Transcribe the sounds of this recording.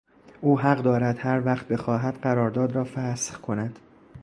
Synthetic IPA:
ʔuːɦæɢd̪ɒːɾæd̪̥hæɾvæχt̪̚be̞xɒːɦæd̪̥ɢæɾɒːɾd̪ɒːd̪ɾɒːfæsχkʰo̞næd̪̥

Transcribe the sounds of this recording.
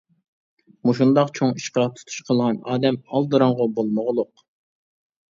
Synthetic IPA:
muʃund̪ɑqt͡ʃʰoŋiʃqɑt̪ʰu̥t̪ʰu̥ʃqʰəlˠʁɑnɑːd̪ɛmɑlˠd̪ɨɾɑɴʁʊbolˠmoʁlˠʊq

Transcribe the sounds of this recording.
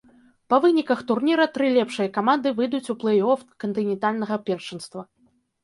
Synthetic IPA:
pɐvɨnʲikɐxt̪urnʲiɾɐt̪ɾɨlʲɛpʂɨjɐkamand̪ɨvɨd̪ut͡sʲuplˠɛjɔfkɐnt̪ɨnʲɛnt̪alʲnɐɣɐpʲɛrʂɐnst̪vɐ

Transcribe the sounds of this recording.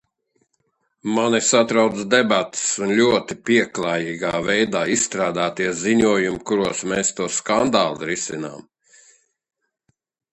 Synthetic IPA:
manisat̪ɾawt̪sd̪ɛbat̪ɪ̥sunlʲuɔt̪ipʲiɛklˠaːjiːɡaːvɛjd̪aːissːt̪ɾaːd̪aːt̪iɛsziɲuɔjumukuɾuɔsmɛːst̪uɔskand̪aːlˠiɾisina̰ːm

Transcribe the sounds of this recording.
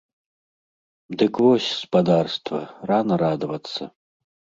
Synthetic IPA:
d̪ɨkvɔsʲspad̪arst̪vɐ̰ranɐɾad̪ɐvɐt̪sːɐ̰

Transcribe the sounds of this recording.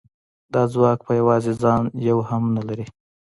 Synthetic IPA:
d̪ɑzwɑk̚pəjawɑzed͡zɑnjawhamnalaɾi

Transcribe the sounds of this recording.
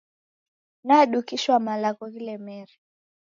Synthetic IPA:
naɗukiʃwamalakɔɣilɛmɛɾi

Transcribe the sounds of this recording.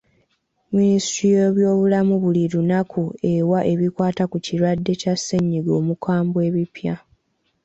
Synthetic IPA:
ministɾijoβjo̞ːβulamuβuliɾunakʰue̞waʔe̞βikwaːtakuciɾwadːe̞casːeɲːiɡo̞ːmukaːmbwe̞ːβipja

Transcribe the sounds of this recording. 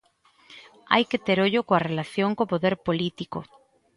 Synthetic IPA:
a̰jket̪eɾoʎokoarelaθjoŋkopoðeɾpolit̪iko̰

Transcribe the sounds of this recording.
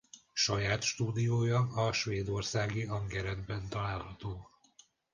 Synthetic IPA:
ʃɒjaːt̪ʃt̪uːd̪ijoːjɒɒʃʋeːd̪o̞rsaːɡiɒŋɡɛɾɛd̪bɛnt̪ɒlaːlhɒt̪oː

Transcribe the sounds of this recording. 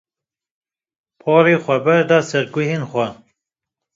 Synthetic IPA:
pʰɑːɾeːxʷɛbɛɾd̪ɑːsɛɾɡʊɦeːnxʷɛ

